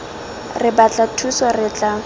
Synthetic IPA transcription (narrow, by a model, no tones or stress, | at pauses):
rɪbat͡ɬʼatʰusarɪt͡ɬʼa